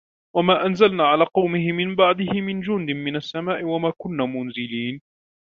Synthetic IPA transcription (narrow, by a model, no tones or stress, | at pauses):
wamaːʔanzalnaːʕalaːqɑwmɪɦɪmɪmbaʕd̪ɪhɪmɪnd͡ʒʊnd̪ɪmmɪnasːamaːʔɪwamaːkʊnːaːmʊnzɪliːn